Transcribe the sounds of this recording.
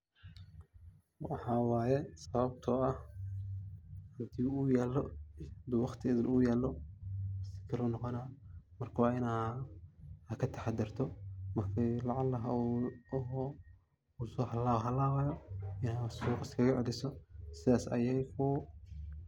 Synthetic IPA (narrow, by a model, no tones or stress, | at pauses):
wɑħɑːwɑːjɛsɐβɐb̚t̪ʰɔːɐh | hʊnt̪ʰiːʊjɛːlːɔd̪wɑqt̪ʰɪɪðɪnʔujɛːlːɔ | sɪ̥kʰɐlɔːnɔqɔnaːmɐrkʰɐwɑːɪna | hɐkʰɐt̪ʰɐħɑd̪ɪrt̪ʰɔmɐrkʰilɑʕɑlːɐɦɐɔɦɔ | usɔːhɐlaːɦɐlaːwɑjɔɪnaːsuːqɑskʰɐɣɐʕɛlɪsɔsɪðaːsɐ̰jɛjɔː